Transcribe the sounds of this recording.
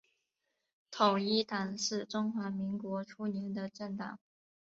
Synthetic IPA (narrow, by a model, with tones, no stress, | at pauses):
t̪ʰo˨˩ʊi˥t̪ʰa˨˩nʂɻ̩˥˩ʈ͡ʂʊ˥ŋxwa˧˥mi˧˥ŋkwɔ˧˥ʈ͡ʂʰu˥njɛ˧˥nd̪ə˧ʈ͡ʂə˥˩ŋt̪ɑ̰˨˩˦ŋ